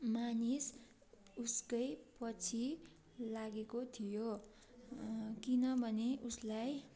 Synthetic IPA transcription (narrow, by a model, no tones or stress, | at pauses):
manis | uskʌjpʌt͡sʰi | laɡekot̪ʰijo | kinʌbʱʌneʔuslaj